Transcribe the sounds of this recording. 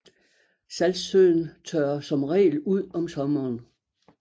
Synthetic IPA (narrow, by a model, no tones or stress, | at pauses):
sælsøn̩t͡sʰøːɐsɒ̽mʁɛ̰ːluð̞̰ˠɒ̽msɒ̽mɐːn